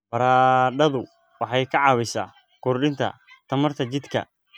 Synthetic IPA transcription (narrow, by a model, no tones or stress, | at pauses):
bɐɾaːɖɐðʊ | wɑħɑjkʰɐʕɑːβɪsa̰ː | kʊrɖɪnt̪ʰɐ̰ | t̪ʰɐmɐrt̪ʰɐt͡ʃɪd̪kʰɐ̰